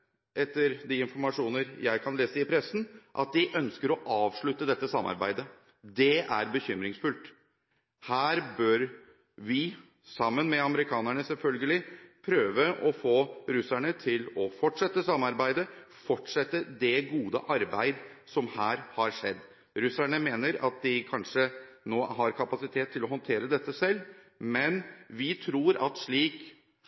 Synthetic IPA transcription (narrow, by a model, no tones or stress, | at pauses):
ʔɛt̪ːəɾd̪ɪɪnfɔɾmɑʂuːnəɾjæɪkʰɑnleːsəɪpʰɾɛsn̩ʔɑ̰t̪̚d̪ɪʔœnskəɾɔʔɑːʋʂɭʉt̪ːəd̪ɛt̪ːəsɑmːɑ̰ɾbæɪd̪ə | d̪ɛæɾbəçʏmɾɪŋsfʉlt̪ | hæːɾbœɾ | ʋɪ | sɑmːənmɛɑməɾɪkʰɑːnæɳəsɛlfœlɡəlɪpʰɾøːʋəʔɔfoːɾʉsæɳət̪ʰɪlɔfɔʈʂɛt̪ːəsɑmːɑɾbæɪd̪əfɔʈʂɛt̪ːəd̪ɛɡuːd̪ə̰ʔɑɾbæɪd̪ | sɔmhæːɾhɑɾʂɛd̪ː | ɾʉsæɳəmeːnəɾɑ̰t̪̚d̪ɪkʰɑnʂənoːɦɑɾkʰɑpɑsɪt̪ʰeːt̪ʰːɪlɔhɔnt̪ʰeːɾəd̪ɛt̪ːəsɛlː | mɛnʋɪt̪ʰɾuːɾɑ̰t̪ʂɭiːk